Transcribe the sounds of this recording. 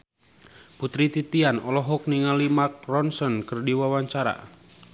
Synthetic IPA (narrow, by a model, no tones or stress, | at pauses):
put̪ɾit̪it̪ianɔlɔɦɔk̚niŋalimak̚rɔnsɔnkərdiwawaɲt͡ʃaɾa̰